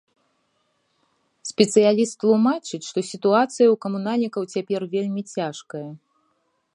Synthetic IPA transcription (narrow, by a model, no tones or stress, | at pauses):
sʲpʲɛt̪sɨjalʲist̪lˠumat͡ʂɨt͡sʲʂt̪ɔsʲit̪uat̪sɨjɐwkɐmunalʲnʲikɐwt͡sʲapʲɛrvʲelʲmʲit͡sʲaʂkɐjɐ